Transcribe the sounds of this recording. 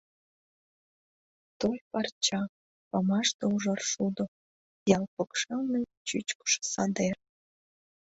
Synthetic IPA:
t̪ojpɑrt͡ɕɑ | pɑmɑʃt̪ouʒɑrʃud̪ŏ | jɑlpəkʃelnə | t͡ɕyt͡ɕkə̥ʃe̥sɑd̪er

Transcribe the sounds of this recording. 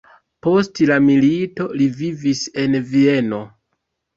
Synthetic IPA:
po̞stlamilito̞livivise̞nvie̞no̞

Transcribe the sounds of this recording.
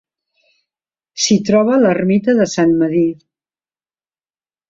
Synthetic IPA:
sit̪ɾɔβələrmit̪əðəsanməðit̪

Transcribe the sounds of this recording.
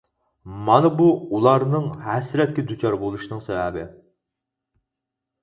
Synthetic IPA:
mɑnɨbuulˠɑɾnɨŋhɛsɾɛt̪̚ʲkʲɛd̪ut͡ʃʰɑɾbolˠuʃinɨŋsɛvɛbɪ

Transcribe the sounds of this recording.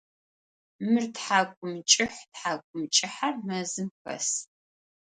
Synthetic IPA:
mɨrtħaːkʷʼʊmt͡ʃʼɪħʷtħaːkʷʼʊmt͡ʃʼɪħarmɐzɨmxɐ̰s

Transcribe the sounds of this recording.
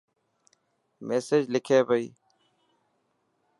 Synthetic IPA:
meːsed͡ʑlikʰeːbɐi

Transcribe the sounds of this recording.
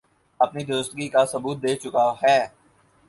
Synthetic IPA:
ɐpnid̪ʊɾəst̪ɡikasɐbuːt̪̚d̪eːt͡ʃʊkaɦɛː

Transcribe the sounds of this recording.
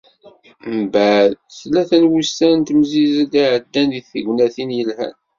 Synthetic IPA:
mbæðθlːæθænwustænt̪əmzizd̪iʕəd̪ːænðiθəʝnæθinjəlhæ̰n

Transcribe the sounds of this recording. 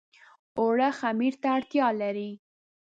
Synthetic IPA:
oɽaxamiɾt̪aːɽt̪jɑlaɾi

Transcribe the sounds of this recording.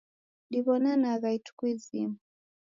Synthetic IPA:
diβɔnanaɣaitu̥kuizḭmu

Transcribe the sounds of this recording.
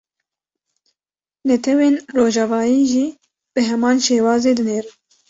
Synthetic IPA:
nɛt̪ʰɛweːnroːʒɑːvɑːjiːʒiː | b̥ɨɦɛmɑːnʃeːwɑːzeːd̪ɨneːɾ

